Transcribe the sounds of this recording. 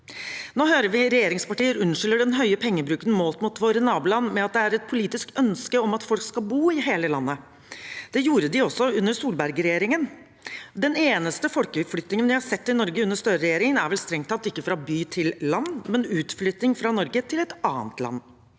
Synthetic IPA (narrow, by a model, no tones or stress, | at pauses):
noːɦøːɾəʋɪɾɛjeːɾɪŋspɑʈiːəɾʉnʂɪlːəɖɛnɦœʏəpʰɛŋːəbɾʉːkənmoːlt̪mʊt̪ʋoːɾənɑːblɑnmɛɑt̪̚d̪ɛæɾɛt̪̚pʰʊliːt̪ɪskœnskəɔmɑt̪fɔlkskɑbuːɪɦeːləlɑnːə | d̪̥ɛjuːɾəd̪ɪɔsːɔʉnːəsuːlbæɾɡɾɛjeːɾɪŋən | d̪ɛneːnəst̪əfɔlkʉt̪flʏt̪nɪŋənʋɪhɑɾsɛt̪ːɪnɔɾɡəʉnːəst̪œɾəɾɛjeːɾɪŋənæɾʋɛlst̪ɾɛŋt̪ʰɑt̪ːɪkːəfɾɑbyːt̪ʰɪllɑnːmɛnʉːt̪flʏt̪nɪŋfɾɑnɔɾɡət̪ʰɪlɛt̪ɑːənt̪lɑ̰nː